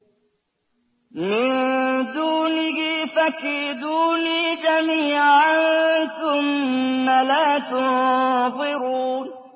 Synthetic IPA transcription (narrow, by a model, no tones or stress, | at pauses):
mɪnd̪uːnɪɡifakːid̪uːniːd͡ʒamiːʕʕanθʊmːalaːt̪ʊnðˤɨɾuːn